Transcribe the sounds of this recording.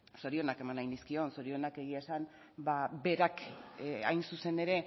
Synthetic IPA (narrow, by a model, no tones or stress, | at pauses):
so̞ɾio̞nake̞manajnd̪iskio̞nso̞ɾio̞nake̞ɣ̞iasan | babe̞ɾaka̰jnsuse̞ne̞ɾe̞